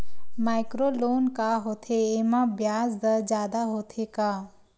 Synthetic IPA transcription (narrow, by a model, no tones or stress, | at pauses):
maːɪkɾoːloːnkaɦoːt̪ʰeemãbjaːzd̪əd͡ʒjaːd̪aɦoːt̪ʰekaː